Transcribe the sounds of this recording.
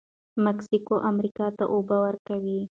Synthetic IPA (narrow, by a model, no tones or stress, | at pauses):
mɛksikoʔamɾikat̪əʔubawɐɾkawi